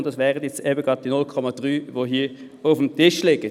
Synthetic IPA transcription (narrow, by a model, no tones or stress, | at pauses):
ndɑsʋɛːʁətjɛt͡sɛbəɡ̥ʁɑːt̚d̥inʊlkʰɔmɑd̥ʁyːvoːɦiː | ʊfm̩tɪʃlɪɡə